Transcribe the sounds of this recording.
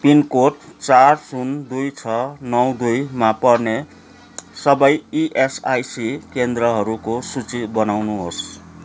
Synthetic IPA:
pinkoʈt͡sarsund̪ujt͡sʰʌnʌwd̪ujmapʌrne | sʌbʌjiʔesajsikend̪rʌɦʌɾukosut͡sibʌnawnuɦos

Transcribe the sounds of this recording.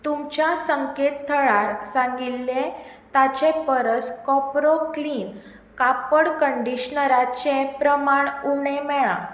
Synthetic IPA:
t̪umt͡ɕjasəŋket̪t̪ʰːəɭaɾsãŋɡilːe | t̪at͡ɕepəɾəskɔpɾokliːn | kapəɽkəɳɖiɕnəɾat͡ɕẽpɾəmaɳuɽ̃ẽmɛɭã̰

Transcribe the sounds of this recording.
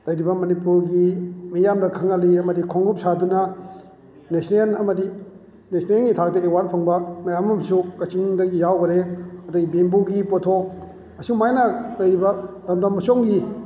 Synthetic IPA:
lɐjɾibɐmɐnipuɾɡimijamdɐkʰaŋaliɐmɐdikʰɔŋɡup̚sadunɐ | nesnelɐmɐdi | nesnelɡitʰaɡdaewaɾpʰaŋbɐmɐjamɐmsukɐt͡ʃiŋdɐɡijawɡɐɾeɐdɐɡibenbuɡipotʰok̚ | ɐsumajnɐlɐjɾibɐ | lɐmdɐmɐsoŋɡi

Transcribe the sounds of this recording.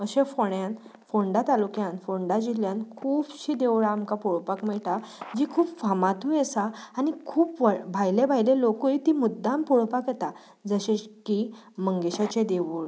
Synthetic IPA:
əɕẽfoɳjanfoɳɖat̪alukjãnfoɳɖad͡ʑiljankʰuːbɕiːd̪eʋɭaːmkapuɭpakmɛɭʈad͡ʑikʰuːpfamat̪ujesaːnikʰuːpʋbʱajlebʱajlelokujit̪imud̪ːãmpuɭpakjet̪a | d͡zəɕẽki | məŋɡeɕat͡ɕed̪eʋuːɭ

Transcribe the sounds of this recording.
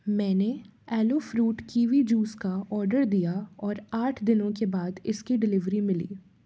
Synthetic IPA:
mɛ̃ːneɛːloːfɾuːʈkiːʋid͡ʒuːskaɔːɾɖəɾd̪ijaɔːɾaːʈʰd̪ɪnõkebaːd̪ɪskiɖɪlɪʋɾimɪlḭː

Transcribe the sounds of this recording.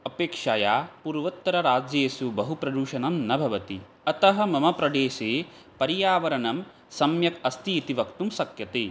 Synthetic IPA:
ɐpeːkʂaːjaːpuːɾʋɐt̪ːɐɾɐɾaːd͡ʒjeːsubɐɦupɾɐd̪uːʃɐnɐmnɐbʱɐʋɐt̪i | ɐt̪ɐɦɐ̆mɐmɐpɾɐd̪eːʃeː | pɐɾijaːʋɐɾɐnɐm | sɐmjɐkɐst̪iːt̪iʋɐkt̪umsɐkjɐt̪eː

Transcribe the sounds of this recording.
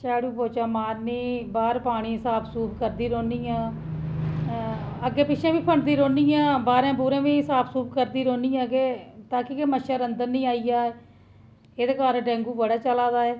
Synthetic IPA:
t͡ʃaːɽuːpoːt͡ʃaːmaːɾniːbaːɾpaːɽ̃iːsaːpʰsuːpkəɾd̪iːɾoːniːjãː | əɡːeːpɪʃʰãːʋiːpʰəɳd̪iːɾoːniːãːbaːɾẽːp̬uːɾẽːʋiːsaːpʰsuːp̚kəɾd̪iːɾoːnĩːjãːɡeːt̪ãːkɪkeməʃaɾənd̪əɾnĩːaːijaː | eːd̪eːkaːɾɖɛ̃ːŋɡuːbəɽaːt͡ʃəlaːd̪aːɛː

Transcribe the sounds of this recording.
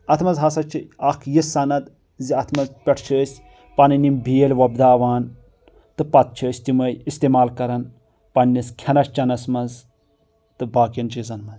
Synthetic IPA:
ɐt̪ʰmɐzɦɐsɐt͡ʃʰiɐkʰjisɐnɐd̪ | ziɐt̪ʰmɐzpʲɐʈʰt͡ʃʰəːsʲ | pɐnɨnimbijelʲʋɐbd̪aːʋaːn | t̪ɨpɐt̪̚t͡ʃʰɐsʲt̪imɐjist̪eːmaːlkɐɾɐn | pɐnʲːiskʲʰɐnɐʃt͡ʃɐnɐsmɐz | t̪ɨbaːkɐnt͡ʃizɐnmɐz

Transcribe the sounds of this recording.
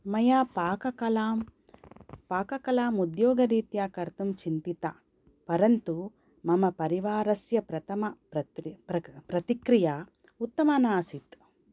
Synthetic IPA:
mɐjaːpaːkɐkɐlaːm | paːkɐkɐlaːmud̪jɔːɡɐɾiːt̪jaːkɐɾt̪umt͡ʃint̪it̪ɐ̰ | pɐɾɐnt̪u | mɐmɐpɐɾiʋaːɾɐsjɐpɾɐt̪ʰɐmɐpɾɐɐpɾɐt̪ikɾija | ut̪ːɐmɐnaːsit̪

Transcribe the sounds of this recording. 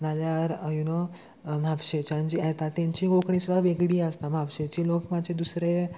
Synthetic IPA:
naljaɾjuno | m̤apɕet͡ɕãɲd͡ʑiat̪at̪ːjãɲt͡ɕiːɡokɳisud̪aʋeɡɽiːəst̪am̤apɕet͡ɕiːlokmad͡ʑʱed̪usɾe

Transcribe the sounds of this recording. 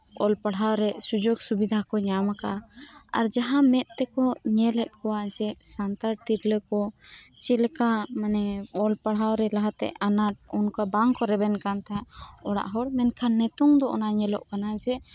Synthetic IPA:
ɔlpaɽɦawɾɛsud͡ʒoɡsubid̪ʱakɔɲamaka̰a̰ɾd͡ʒaɦãmɛʔ̪̚t̪ɛkɔɲɛlɛʔ̪̚ˀkɔwad͡ʒɛsant̪aɾt̪iɾlɛkɔt͡ʃɛlkamanɛɔlpaɽ̤awɾɛlaɦat̪ɛ̰ʔanaʈ̚ɔnkabaŋkɔɾɛbɛnkant̪aɔɽa̰ʔɦɔɽmɛnkʰanːɛt̪uŋd̪ɔʔɔ̰naɲɛlɔ̰ʔkanad͡ʒɛ

